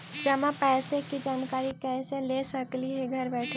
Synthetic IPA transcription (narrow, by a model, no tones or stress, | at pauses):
d͡ʒɐmãpɛːsekid͡ʒaːnkaːɾikɛːselesəkliɦeɡʱɐɾbɛːʈʰe